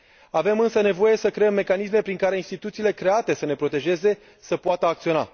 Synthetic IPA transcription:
ave̞mɨnsəne̞vo̞je̞səkɾe̞emːe̞kanis̬me̞pɾiŋkaɾeinst̪it̪ut̪siːle̞kɾe̞at̪e̞səne̞pɾo̞t̪e̞ʒe̞ze̞ | səpoat̪əakt̪sio̞na̰

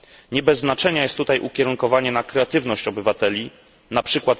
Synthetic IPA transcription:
ɲɛbɛzːnat͡ʂɛɲajɛst̪ːut̪ajʔukʲɛɾuŋkɔvaɲɛnakɾɛat̪ɘvnɔɕt͡ɕɔbɘvat̪ɛlʲi | napʂɘkwat̪

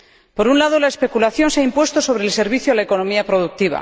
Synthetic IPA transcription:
po̞ɾunlaðo̞lae̞spe̞kulaθjo̞nseaimpwe̞st̪o̞so̞β̞ɾeːlse̞ɾβiθjoalaeko̞no̞miapɾo̞ðuk̚t̪iβ̞a̰

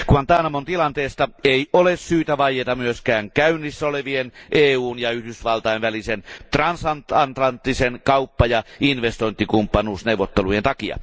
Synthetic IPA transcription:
kuɑnt̪ɑːnɑmont̪ilɑnt̪eːst̪ɑeiolessyːt̪æʋɑjˑet̪ɑmyøskæːŋkæynːˑisːæoleʋienʔeːuːnjɑyhdysʋɑlt̪ɑenʋælisent̪rɑnsɑnt̪ɑnt̪lɑnt̪ːisenkɑupːɑjɑinʋest̪oint̪ːikumpːɑnuːsneuwʋːˑot̪ːelujent̪ɑkiɑ̰

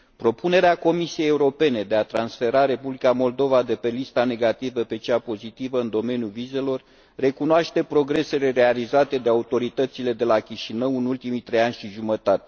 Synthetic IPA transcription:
pɾo̞pune̞ɾeako̞misije̞jeuɾo̞pe̞ne̞d̪e̞at̪ɾansfe̞ɾaɾe̞publikamo̞ld̪o̞vad̪e̞pe̞list̪ane̞ɡat̪ivəpe̞t͡ʃapo̞zit̪ivəɨnd̪o̞me̞njulvize̞lo̞rː | e̞kunoaʃt̪e̞pɾo̞ɡɾe̞se̞le̞ɾe̞alizat̪e̞d̪e̞aut̪o̞ɾit̪ət̪sile̞d̪e̞lakʲiʃinəwɨnult̪imit̪ɾe̞janʲʃiʒumət̪at̪e̞

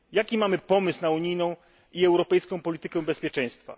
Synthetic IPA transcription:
jakʲimamɘpɔmɘsnauɲijnɔ̃w̃ | iɛwɾɔpɛjskɔ̃w̃pɔlʲit̪ɘkɛw̃bɛspʲjɛt͡ʂɛ̃j̃st̪fa̰

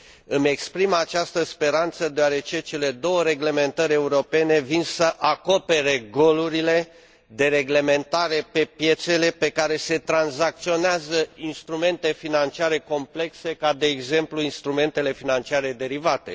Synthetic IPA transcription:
ɨme̞kspɾimat͡ʃast̪əspe̞ɾant̪səd̪eoaɾe̞t͡ʃe̞t͡ʃe̞le̞d̪o̞wəɾe̞ɡle̞me̞nt̪əɾʲe̞uɾo̞pe̞ne̞vinsəʔako̞pe̞ɾeɡo̞luɾile̞ | d̪e̞ɾe̞ɡle̞me̞nt̪aɾe̞pe̞pje̞t̪se̞le̞pe̞kaɾe̞se̞t̪ɾanzak̚t̪sio̞neazəinst̪ɾume̞nt̪e̞finant͡ʃiaɾe̞ko̞mple̞kse̞kad̪e̞ːɡze̞mpluinst̪ɾume̞nt̪e̞le̞finant͡ʃiaɾe̞d̪e̞ɾivat̪e̞̰

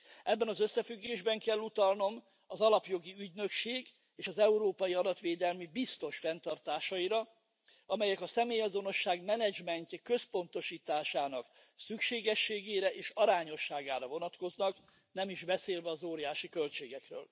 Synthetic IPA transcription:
ɛbːɛnɒzøsːɛfyɡːeːʒbɛŋkɛlːut̪ɒlno̞m | ɒzɒlɒpjo̞ɡiyɟnø̞kʃeːɡ | eːʃɒzɛuɾoːpɒjiɒd̪ɒt̪ʋeːd̪ɛlmibist̪o̞ʃfɛnt̪ɒrt̪aːʃɒiɾɒ | ɒmɛjɛkɒsɛmeːjɒzo̞no̞ʃːaːɡmɛnɛd͡ʒmɛnt̪ɛkø̞spo̞nt̪o̞ʃiːt̪aːʃaːnɒk | sykʃeːɡɛʃːeːɡeːɾɛʔeːʃɒɾaːɲo̞ʃːaːɡaːɾɒvo̞nɒt̪ko̞znɒk | nɛmiʒbɛseːlvɛɒzoːɾijaːʃikølt͡ʃeːɡɛkrø̰ːl

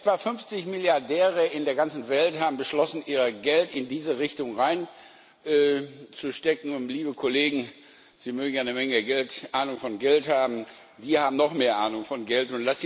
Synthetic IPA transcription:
ʔɛtv̥afʏnft͡sɪçmɪljaɐdɛːʁəɪndeːɐɡant͡sn̩vɛlthaːbm̩bəʃlɔsn̩ʔiːʁəɡɛltɪndiːzəʁɪçtʊŋʁaɪn | ʔɛːt͡suʃtɛkŋ̩ʊnliːbəkʰoleːɡŋ̩ | z̥iːmøːɡŋ̩janəmɛŋəɡɛltʔaːnʊŋfɔnɡɛlthaːbm̩ | d̥iːhaːbm̩nɔχmeːɐʔaːnʊŋfɔnɡɛltʊntlas

